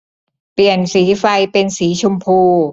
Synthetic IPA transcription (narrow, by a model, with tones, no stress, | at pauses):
pli˨˩ənsiː˩˦fa˧jpe˧nsiː˩˦t͡ɕʰu˧mpʰuː˧